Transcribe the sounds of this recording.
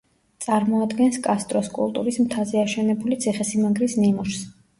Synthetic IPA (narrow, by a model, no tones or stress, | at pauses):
t̪sʼaɾmɔad̪ɡɛnskʼast̪ʼɾɔskʼṵlˠt̪ʼṵɾismt̪ʰaziaʃɛnɛbulit̪sʰiχɛsimaŋɡɾisnimuʃs